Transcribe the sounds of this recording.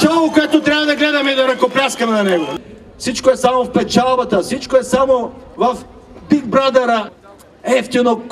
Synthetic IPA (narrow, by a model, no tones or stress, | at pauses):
t͡ʃɔlˠokoɛt̪ot̪ɾʲjavɐd̪ɐɡlɛd̪ɐmɛid̪oɾɐkoplʲaskɐmɛnɐnɛɡo | fsit͡ʃkoɛsamofpɛt͡ʃalˠbɐt̪əfsit͡ʃkoɛsamovɐf | biɡ̚bɾad̪ɐɾə | ɛft̪inok